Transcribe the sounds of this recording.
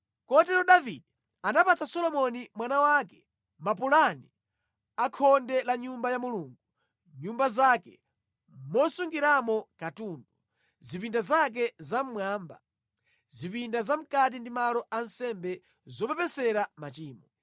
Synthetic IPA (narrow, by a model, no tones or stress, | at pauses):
kɔt̬ɛɾɔɗavidɛ | anapat͡sʰasɔlɔmɔnimwanawakɛ̥ | mapulani | akʰɔndɛlaɲumbajamuluːŋɡu | ɲumbazaːkɛ̰ | mɔsuŋɡiɾamɔkatuːndu | zipindazak̬ɛzam̩mwaːmba̰ | zipindazam̩kat̬indimalɔʔan̩sɛmbɛ | zɔpɛpɛsɛɾamat͡ʃiːmɔ